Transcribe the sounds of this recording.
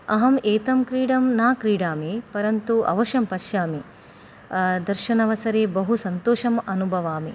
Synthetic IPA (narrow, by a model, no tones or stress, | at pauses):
ɐɦɐmeːt̪ɐmkɾiːɽɐmnaːkɾiːɽaːmipɐɾɐnt̪uʔɐ̰ʋɐʃɐmpɐʃjaːmi | d̪ɐɾʃɐnɐʋɐsɐɾeːbɐɦusɐnt̪oːʃɐmɐnubʱɐʋaːmi